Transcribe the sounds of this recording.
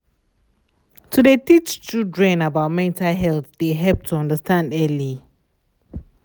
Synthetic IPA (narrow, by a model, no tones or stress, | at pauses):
tʰudetit͡ʃt͡ʃudɹɛ̃nabaʊt̚mɛ̃ntalɦɛlθdeɦɛp̚tʰuʌ̃ndəstãndɛli